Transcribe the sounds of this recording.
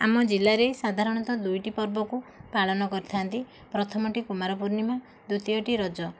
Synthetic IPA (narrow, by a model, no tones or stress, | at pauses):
a̰mɔd͡ʒilːaɾesad̪ʱaɾɔɽ̃ɔt̪ɔd̪ujʈipɔɾbɔkupaɭɔnɔkɔɾit̪ʰant̪i | pɾɔt̪ʰɔmɔʈikumaɾɔpuɾnima | d̪ut̪ijɔʈiɾɔd͡ʒɔ